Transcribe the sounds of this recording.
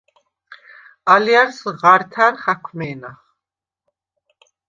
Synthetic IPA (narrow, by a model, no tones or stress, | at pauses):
aliaɾsʁaɾt̪ʰaɾχakʰmɛːnaχ